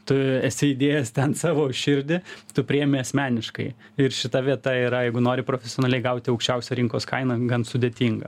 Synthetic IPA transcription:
t̪ʊɛsʲɪɪd̪ʲeːjɛst̪ʲɛnsɑːʋoːʊʃʲʃʲɪɾʲd̪ʲɪt̪ʊpʲɾʲɪɛːmʲɪɐsʲmʲæːnʲɪʃkɐɪ | ɪɾʃʲɪt̪ɐʋʲiɛt̪ɐiːɾɐjɛɪɡʊnoːɾʲɪpɾoːfʲɛsʲɪoːnɐlʲɛɪɡɐʊt̪ʲɪɐʊkʃʲt͡ʃʲɛʊsʲɛɾʲɪŋkoːskɐɪnɐɡɐnsʊd̪ʲeːt̪ʲiŋɡɐ̰

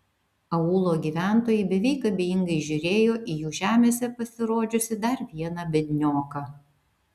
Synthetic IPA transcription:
ɐuːlˠoːɡʲiːʋʲæˑnt̪oːjɛɪbʲɛʋʲɛɪkɐbʲeːjɪŋɡɐɪʒʲʊɾʲeːjoːʔijuːʒʲæːmʲeːsʲɛpɐsʲɪɾoːd͡ʒʲʊsʲɪd̪ɐɾʋʲiɛnɐbʲɛd̪ʲnʲoːkɐ

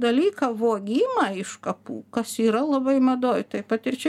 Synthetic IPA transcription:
d̪ɐlʲiːkɐʋoːɡʲiːmɐɪʃkɐpṵːkɐsiːɾɐlˠɐbɐɪmɐd̪oːjt̪ɐɪpɐt̪ɪrt͡ʃʲɛ

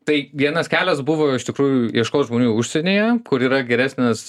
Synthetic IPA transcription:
t̪ɐɪʋʲiɛnɐskʲæːlʲɛsbuʋoːɪʃtʲɪkɾuːjʊiɛʃkoːsʒmoːnʲuːʊʃʲsʲenʲeːjɛkʊɾiːɾɐɡʲɛɾʲæːsʲnʲɛs

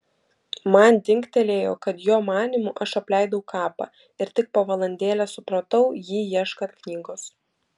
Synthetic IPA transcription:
mɐnd̪ʲɪŋʲkt̪ʲɛlʲeːjo̰ːkɐt̪joːmɑːnʲimuʔɐʃɐpʲlʲɛɪd̪ɐʊkʰɑːpɑ̰ː | ɪɾt̪ʲɪk̚pɐʋɐlˠɐnʲd̪ʲeːlʲɛsʊpɾɐt̪ɐʊjiːjiɛʃkɐt̪knʲiːɡoːs

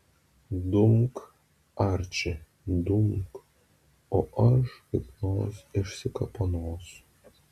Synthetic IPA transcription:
d̪ʊmk | aɾʲt͡ʃʲɛ | d̪umk | oʔɐʃkɐpnoːsʲɪʃʲsʲɪkɐpɐnoːs

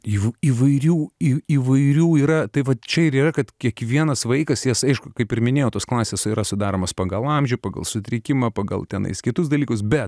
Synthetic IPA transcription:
iʋiːʋɐɪɾʲuːiiːʋɐɪɾʲuːiːɾɐt̪ɐɪʋɐtt͡ʃʲɛɪɾiːrɐkɐt̪kʲiɛkʋʲiɛnɐsʋɐɪkɐsjɛsɐɪʃkʊkɐɪpɪɾmʲɪnʲeːjoːt̪oːsklˠɑːsʲeːsiːɾɐsʊd̪ɑːɾoːmɐspɐɡɐlˠɐmʲʒʲʊpɑːɡɐ̰lˠsʊt̪ʲɾʲɪkʲɪmɐpɐːɡɐ̰lˠt̪ʲɛnɐ̰ɪskʲɪt̪ʊs̬d̪ɐlʲiːkʊsbʲɛt̪

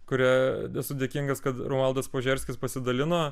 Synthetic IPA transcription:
kʊɾʲæːɛsʊdʲekʲiŋɡɐskɐt̪ɾoːnɐlˠd̪ɐspoːʒʲɛɾʲsʲkʲɪspɐsʲɪd̪ɐlʲɪnoː

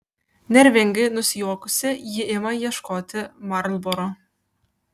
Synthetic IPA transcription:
nʲɛɾʲʋʲɛŋʲɡɪnʊsʲɪjuɔkʊsʲɪjɪʔɪmɐjiɛʃkoːt̪ʲɪmɑɾlˠboɾo

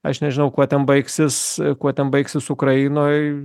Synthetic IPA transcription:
ɐ̰ʃnʲɛʒʲɪnɐʊkuɔt̪ʲɛnbɐɪksʲɪskuɔt̪ʲɛnbɐɪksʲɪsʊkɾɐɪnoːj

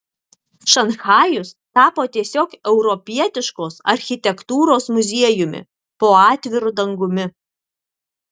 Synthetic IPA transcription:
ʃɐnxɑːjʊst̪ɑːpoːt̪ʲiɛsʲoːkɛʊɾɔpʲiɛt̪ʲɪʃkoːsɐ̰ɾʲxʲɪt̪ʲɛkt̪uːɾoːsmʊzʲiɛjʊmʲɪ̰ | poːɑːt̪ʲʋʲɪɾʊd̪ɐŋɡʊmʲɪ

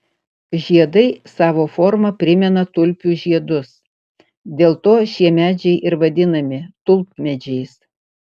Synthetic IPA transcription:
ʒʲiɛd̪ɐɪsɑːʋoːfɔɾmɐpʲɾʲɪmʲɛnɐt̪ʊlʲpʲuːʒʲiɛd̪ʊs | d̪ʲeːlˠt̪oːʃʲiɛmʲæːd͡ʒʲɛɪʔɪɾʋɐd̪ʲɪnɐmʲɪt̪ʊlˠp̚mʲɛd͡ʒʲɛɪs

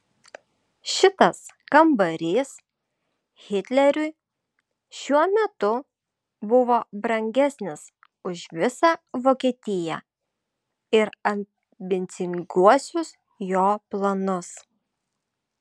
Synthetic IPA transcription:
ʃʲɪt̪ɐskɐmbɐɾʲiːs | ɣʲɪt̪ʲlʲɛɾʲʊɪ | ʃʲuɔmʲɛt̪ʊ | bʊʋoːbɾɐŋʲɡʲɛsʲnʲɪs | ʊʃʋʲɪsɑʋoːkʲiɛt̪ʲɪjæ̰ | ɪɾɐmʲ | bʲɪnʲt̪sʲɪŋɡuɔsʲʊs | joːplˠɐnʊs

